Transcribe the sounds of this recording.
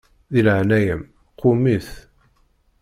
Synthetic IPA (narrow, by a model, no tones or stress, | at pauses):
ðilʕnæjəm | qʰʊmiθ